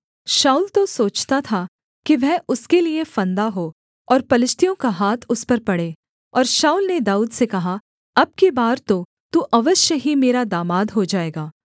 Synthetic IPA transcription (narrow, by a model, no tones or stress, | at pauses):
ʃaːuːlt̪osoːt͡ʃt̪at̪ʰa | kiʋɛɦʊskeliefɐ̃nd̪aɦoː | ɔːɾpɐlɪʃt̪ʰijõkaɦaːt̪ʰʊspɐɾpɐɽeː | ɔːɾʃaːuːlned̪aːuːd̪sekɐɦa | ɐb̚kebaːɾt̪o | t̪uːʔɐʋəʃjəɦimeːɾad̪aːmaːd̪ɦod͡ʒaːeːɡaː